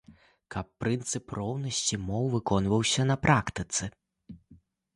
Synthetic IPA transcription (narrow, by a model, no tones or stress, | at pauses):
kɐpːɾɨnt̪sɨprɔwnɐsʲt͡sʲimɔwvɨkɔnvɐwsʲɐnɐpɾʔakt̪ɨt̪sɨ